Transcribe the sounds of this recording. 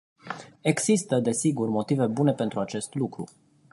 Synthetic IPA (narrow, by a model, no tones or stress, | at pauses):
e̞ɡsist̪əd̪e̞siɡurmo̞t̪ive̞bune̞pe̞nt̪ɾuat͡ʃe̞st̪lukɾṵ